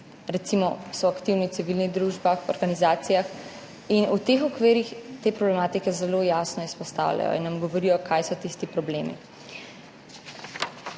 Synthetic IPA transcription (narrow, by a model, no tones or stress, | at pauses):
ɾɛt̪simɔsɔakt̪iwniwt̪siʋilniɣd̪ɾuːʒbaxɔ̰ɾɡanizaːt̪sijax | inut̪eːxɔkʋeːɾixt̪eːpɾɔblɛmaːt̪ikɛzɛlojaːsnɔispɔst̪a̰wlʲa̰jɔ̰inːamɡɔʋɔɾijɔkʰajsɔt̪ist̪ipɾɔbleːmḭ